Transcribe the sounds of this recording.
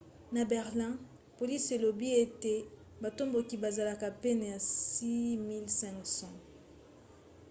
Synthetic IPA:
na˨bɛ˨ʁlɛ̃˦ | po˨li˦se˨lo˨bi˦e˦te˨ | ba˨to˦mbo˨ki˨ba˨za˨la˨ka˨pe˦na˨ja˨si˦mi˦lsɛ̃˦ksɔ̃˨

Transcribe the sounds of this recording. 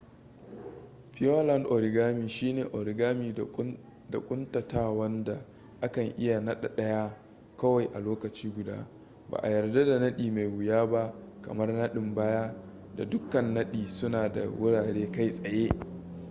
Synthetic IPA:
ɸɪ˦o˦lɐ˦˨ndʔo˨ɾɪ˨ɡaː˦miː˨ʃiː˦neː˨ʔo˨ɾɪ˨ɡaː˦miː˨ | da˨kʷʼʊ˦ntɐ˨taː˦wɐ˦nda˨ | ʔa˦kɐ˨ŋʔɪ˦ja˨nɐ˦ɗa˨ɗɐ˦ja˦ | kɐ˦wa˨jʔa˨loː˦kɐ˨t͡ʃiː˦ɡʷʊ˨da̰ː˦ | ba̰ː˨ʔa˨jɐ˨rda˦da˨nɐ˦ɗiː˨ma˨jwʊ˨jaː˦ba˦kɐ̰˨mɐ˦rnɐ˦ɗɪ˨mbaː˦ja˦ | da̰˨dʊ˦kɐ˨nːɐ˦ɗiː˨sʊ˦naː˨da̰˨wʊ˦ɽaː˨ɽeː˦ka˦jsʼɐ˨jeː˦

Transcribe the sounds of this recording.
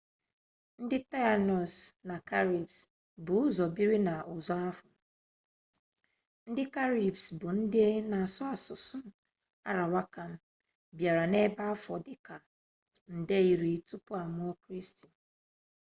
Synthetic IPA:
n̩˦dɪ˦ta˦a˨nɔ˨sna˨ka˦ɾi˨bs | bʊ˨ʊ˦zɔ˨bi˦ɾi˦na˨ʊ˨zɔ˦a˦fɔ˨ | n̩˦dɪ˦ka˦ɾi˨bsbʊ˨n̩˦dɪ˦e˦na˨sʊ˦a˨sʊ˨sʊ˦ | a̰˦ɾa˨wa˦ka˨m̩˦ | bja˨ɾa˨ne˦ba˦a˦fɔ˨dɪ˨ka˨ | n̩˨de˦i˨ɾi˨tu˦pʊ˦a˨m˦ɔ˦kɾi˦sti˨n̩˨

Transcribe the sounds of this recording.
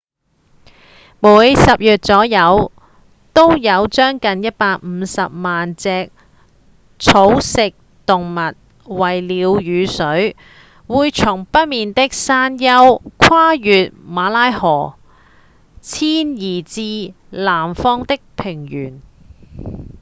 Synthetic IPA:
muː˨˥jsɐ˨p̚jyː˨t̚t͡sɔː˨˥jɐ˨˧w | t̪o˥wjɐ˨˧wt͡ʃœː˥ŋkɐ˨njɐ˥t̚paː˧k̚m̩ː˨˧sɐ˨p̚maː˨nt͡sɛː˧k̚ | t͡sʰo˨˧˥wsɪ˨k̚ | t̪ʊ˨ŋmɐ˨t̚ | wɐ˨˩jliː˨˧˥wjyː˨˧sɵ˨˥ɥ | wuː˨˧jt͡sʰʊ˨˩ŋpɐ˥t̚miː˨nt̪ɪ˥k̚saː˥njɐ˥wkʰwaː˥jyː˨t̚maː˨˥laː˥jhɔː˨˩ | t͡sʰiː˥njiː˨˩t͡siː˧ | laː˨˩mfɔː˥ŋt̪ɪ˥k̚pʰɪ˨˩ŋjyː˨˩n

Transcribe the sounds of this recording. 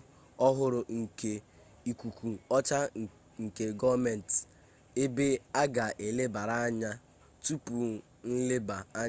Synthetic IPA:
ɔ˦ɦʊ˦ɾʊ˨ŋ̩˨ke˨ | i˨kʷu˨kʷu˨ɔ˦t͡ʃa˦ | ŋ̩˨ke˨ɡɔ˦me˨n˨t | e˦be˦a˦ɡa˨ʔe˨le˦ba˨ɾa˦a˦ɲa˦ | tu˦pu˨ | n̩˦le˦ba˨a˦

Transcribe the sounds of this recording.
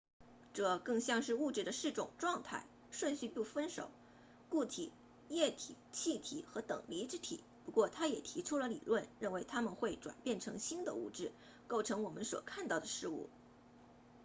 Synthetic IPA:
ʈ͡ʂɤ˥˧kɤ˥˧ŋɕjɑ˥˧ŋʂɻ̩˥˧u˥˧ʈ͡ʂɻ̩˥˩d̪ə˩ʂɻ̩˥˩ʈ͡ʂʊ˨˩ŋʈ͡ʂwɑ˥˧ŋt̪ʰa˥˩ɪ | ʂwə˥˧nɕy˥˧pu˥˩fə˥nʂo̰˨˩ʊ | ku˥˩t̪ʰi˨˩˦ | jɛ˥˩t̪ʰi˨˩t͡ɕʰi˥˩t̪ʰḭ˨˩˦xɤ˧˥t̪ɤ̰˨˩ŋli˧˥ʈ͡ʂɻ̩˥t̪ʰḭ˨˩˦pu˧˥kwɔ˥˩t̪ʰa˥jɛ˨˩t̪ʰi˧˥ʈ͡ʂʰu˥lə˨lḭ˨˩lwə˥˧nɻə˥˩nwe˧˥ɪt̪ʰa˥mə˨nxwe˥˩ɪʈ͡ʂwa̰˨˩npjɛ˥˩nʈ͡ʂʰɤ˧˥ŋɕi˥nd̪ə̰˧u˥˧ʈ͡ʂɻ̩˥˩ | ko˥˩ʊʈ͡ʂʰɤ˧˥ŋwɔ˨˩mə˦nswɔ̰˨˩kʰa˥˧nt̪ɑ˥˩ʊd̪ə˩ʂɻ̩˥˧ṵ˥˩

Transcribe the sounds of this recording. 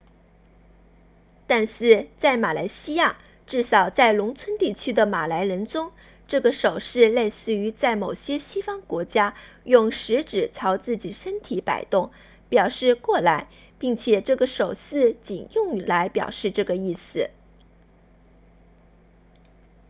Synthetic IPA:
t̪a˥˧nʂɹɻ̩˥˧t͡sa˥˩ɪma˨˩la˧˥ɪɕi˥ja˥˩ | ʈ͡ʂɻ̩˥˩ʂɑ˨˩ʊt͡sa˥˩ɪlʊ˧˥ŋt͡sʰwə˥nt̪i˥˩t͡ɕʰy˥d̪ə˨ma˨˩la˧˥ɪɻə˧˥nt͡sʊ˥ŋ | ʈ͡ʂɤ˥˩ɡə˩ʂo˨˩ʊʂɻ̩˥˧le˥˧ɪsɹ̩˥˩y˧˥t͡sa˥˩ɪmo˨˩ʊɕjɛ˥ɕi˥fɑ˥ŋkwɔ˧˥t͡ɕja˥ | jʊ˥˩ŋʂɻ̩˧˥ʈ͡ʂɻ̩˨˩t͡sʰɑ˧˥ʊt͡sɹ̩˥˩t͡ɕi˨˩ʂə˥nt̪ʰi˧˥pa̰˨˩ɪt̪ʊ˥˩ŋ | pjɑ˨˩ʊʂɻ̩˥˧kwɔ˥˩la˧˥ɪ | pi˥˩ŋt͡ɕʰjɛ˨˩ʈ͡ʂɤ˥˩ɡə˩ʂo˨˩ʊsɹ̩˥˧t͡ɕi˨˩njʊ˥˧ŋla˧˥ɪpjɑ̰˨˩ʊʂɻ̩˥˧ʈ͡ʂɤ˥˩ɡə˩i˥˩sɹ̩˨˩

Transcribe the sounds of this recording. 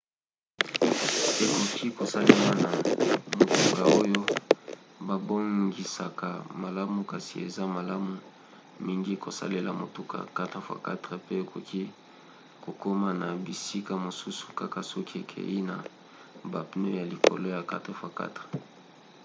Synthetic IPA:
e˨ko˨kʰi˦ko˨sa˦le˦ma˦na˨mo˨tu˦ka˨o˦jo˦ | ba˨bo˦ŋɡi˨sa˨ka˨ma˨la˦mu˨ka˨si˨e˨za˦ma˨la˦mu˨ | mi˦ŋɡi˦ko˨sa̰˦le˦la̰˨mo˨tu˦ka̰˨ka˦tʁe˨fwa̰˨ka̰˦tʁe˨pe˦e˨kʰo˨kʰi˦ | ko˨ko˦ma˦na˨bi˨si˦ka˦˨mo˨su˦su̥˨ka˦ka˨sɔ˦ki˦e˨kʰḛ˨ji˦na˨ | ba˨pno˦ja˨li˨ko̰˨lo˦ja˨ka˦te˨fa˨ka̰˦tʁe̥˨

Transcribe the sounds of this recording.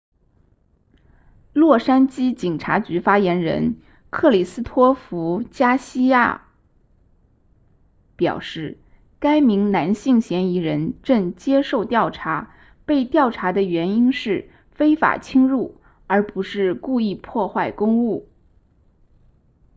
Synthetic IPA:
lwɔ˥˩ʂa˥nt͡ɕi˥t͡ɕi˨˩ŋʈ͡ʂʰa˧˥t͡ɕy˧˥fa˥jɛ˧˥nɻə̰˧˥n | kʰɤ˥˩li˨˩sɹ̩˥t̪ʰwɔ˥fu˧˥t͡ɕja˥ɕi˥ja̰˥˩ | pjɑ̰˨˩ʊʂɻ̩˥˩ | ka˥ɪmi˧˥ŋna˧˥nɕi˥˩ŋɕjɛ˧˥ni˧˥ɻə˧˥nʈ͡ʂɤ˥˩ŋt͡ɕjɛ˥ʂo˥˧ʊt̪jɑ˥˩ʊʈ͡ʂʰa˧˥ | pe˥˧ɪt̪jɑ˥˩ʊʈ͡ʂʰa˧˥d̪ə˧ɥɛ˧˥ni˥nʂɻ̩˥˩ | fe˥ɪfa̰˨˩t͡ɕʰi˥ŋɻu˥˩ | ə˞˧˥pu˧˥ʂɻ̩˥˧ku˥˧i˥˧pʰwɔ˥˧xwa˥˩ɪkʊ˥ŋu˥˩

